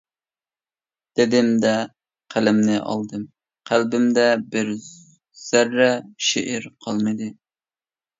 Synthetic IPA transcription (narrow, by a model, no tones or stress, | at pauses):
d̪̥ɪd̪ɪmd̪ɛ | qʰælɪmnɪʔɑ̰lˠd̪ɨm | qʰælbɪmd̪ɛbɪɾ | z̥æɾːɛʃḛʔɪɾqʰɑlˠmɨd̪ɨ